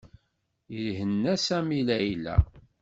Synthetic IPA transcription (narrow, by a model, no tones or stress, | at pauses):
jəlɦənːæsæmilæjilæ̰